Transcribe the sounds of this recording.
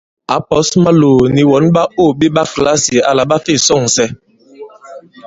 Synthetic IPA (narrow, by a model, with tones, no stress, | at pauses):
a˨˦pɔ˨˦sma˦loː˨ni˨wɔ˨˦nɓa˦o˦˨ɓe˦ɓa˦kla˦si˨a˨la˨ɓa˦fe˦˨sɔ˦˨ŋsɛ˦